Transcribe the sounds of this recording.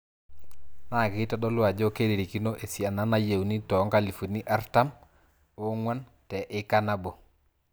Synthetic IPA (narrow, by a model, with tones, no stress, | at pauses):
na˦˨kɪ˦ta˦ɗɔ˦lʊ˦a˨d͡ʒɔ˦ke˦di˨ɾi˨ki˦no˦ʔe˨si˨a˨na˦na˦je˨wni˦tɔ˨˦ŋka˦li˨fu˨ni˦ʔa˦ɾta˦m | o˦ŋwa˦n | tɛ˨ʔɪ˦ka˦na˦bo˨